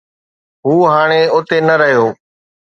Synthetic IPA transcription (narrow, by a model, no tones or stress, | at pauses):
ɦuːɦaːɽ̃eʊt̪enəɾəɦjoː